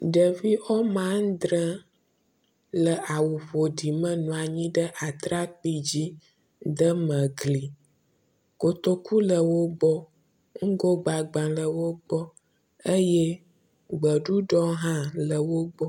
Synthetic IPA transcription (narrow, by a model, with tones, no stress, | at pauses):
ɖə˨vi˦ʔɔ˦mã˦ŋ˦d̪ɾə˦ | lə˨ʔa˨wu˨ɸo˨ɖi˨mə̃˦nũ˨a˨ɲĩ˦ɖə˦ʔa˨t̪ɾa˦k͡pi˦d͡ʑi˦ | d̪ə˦mə̃˨ɡli˨ | ko˨t̪o˦ku˦lə˨wo˦ɡ͡bɔ˦ | ŋ̩˦ɡo˦ɡ͡ba˨ɡ͡bã˨lə˨wo˦ɡ͡bɔ˦ | ə˦jɛ˦ | ɡ͡bə˨ɖu˦ɖɔ˦ɦã˦lə˨wo˦ɡ͡bɔ˦